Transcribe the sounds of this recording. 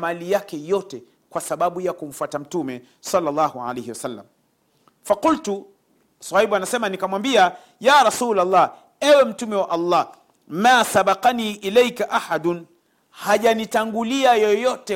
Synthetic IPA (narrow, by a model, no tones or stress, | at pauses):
malijakɛjɔtɛ | kwasaɓaɓujakum̩fwatam̩tumɛ | sɑlːalːɑːhuʕa̰lehiwasalːa̰m | faqultu | sahiɓuanasɛmanikamwambia | jaːɾɑsuːlalˤːɑː | ɛwɛm̩tumɛwaʔɑlˤːɑː | maːsaɓaqaniːʔilɛjkaʔaħadʊn | haʄanitaŋɡuliajɔjɔtɛ